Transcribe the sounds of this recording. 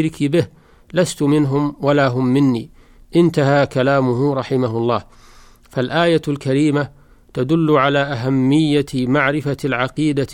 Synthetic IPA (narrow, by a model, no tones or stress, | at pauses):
ɾɪkʰɪbɪh | last̪ʊmɪnɦʊmwalaːɦʊmːɪnːiː | ʔɪnt̪aɦaːkalaːmʊɦʊɾˤɑħɪmaɦʊlˤːɑːh | falʔaːjalkaɾiːma | t̪ad̪ʊlːʊʕalaːʔaɦamːɪjːamaʕɾɪfalʕaqiːd̪a